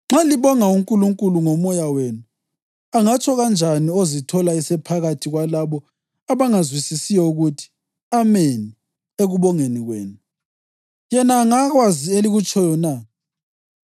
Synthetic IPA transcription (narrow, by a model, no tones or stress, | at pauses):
ŋ͡ǁaliβɔŋauŋkʼuluŋkʼuluŋɔmɔjaweːnu | aŋat͡ʃʰɔɣand͡ʒʱaniozitʰɔlaisɛpʰaɣatʰiɣwalaβɔ | aβaŋazwisisijɔuɣutʰi̥ | ameni | eɣuβɔŋeniɣwḛːnu | jɛnaːŋaɣwazieliɣut͡ʃʰʼɔjɔna